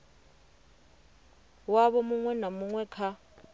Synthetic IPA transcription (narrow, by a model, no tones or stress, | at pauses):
waβɔmuŋwɛnamuŋwɛkʰa